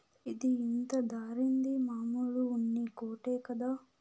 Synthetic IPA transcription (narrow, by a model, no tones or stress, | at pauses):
id̪iːnt̪ɐd̪aːɾind̪imaːmuluunːikoːʈeːkɐd̪aː